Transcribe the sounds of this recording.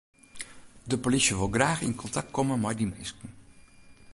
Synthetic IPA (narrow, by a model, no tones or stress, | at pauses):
dəpolisjəʋolˠɡraːxḭnkʰɔntʰak̚kʰomənmɛjdimeːskn̩